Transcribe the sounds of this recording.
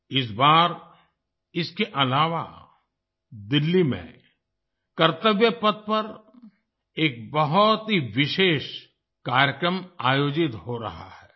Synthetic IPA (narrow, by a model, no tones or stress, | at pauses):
ɪs̬baːɾ | ɪskeʔɐlaːʋa̰ | d̪ɪlːimḛ̃ | kɐɾt̪əʋjəpɐt̪̚pɐɾ | eːk̚bɐɦɔt̪ɦiʋɪʃeːʃ | kaːɾjəkɾəmaːjoːd͡ʒɪt̪ɦoɾɐ̰ɦa̰hɛː